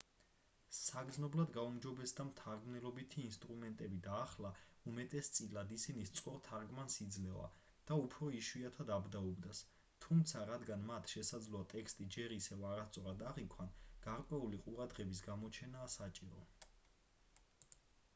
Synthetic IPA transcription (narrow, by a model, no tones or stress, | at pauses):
saɡznɔblad̪ɡaumd͡ʒɔbɛsd̪amt̪ʰaɾɡmnɛlɔbit̪ʰiːnst̪ʼɾumɛnt̪ʼɛbid̪aːχlaumɛt̪ʼɛst̪sʼilad̪isinist̪sʼqʼɔɾt̪ʰaɾɡmansid̪zlɛva̰ | d̪̥aupʰɾɔiʃwiat̪ʰad̪abd̪aɔbd̪as | t̪ʰumt̪sʰaɾad̪ɡanmat̪ʰʃɛsad̪zlɔat̪ʼɛkst̪ʼid͡ʒɛɾisɛvaɾast̪sʼɔɾad̪aʁikʰwanɡ̥aɾkʼwɛuliqʼuɾad̪ʁɛbis̬ɡamɔt͡ʃʰɛnaːsat͡ʃʼiɾɔ̰